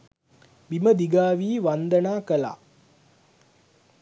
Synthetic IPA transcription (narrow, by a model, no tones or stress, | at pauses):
miməd̪iɡaːʋiːʋand̪ənaːkəla̰ː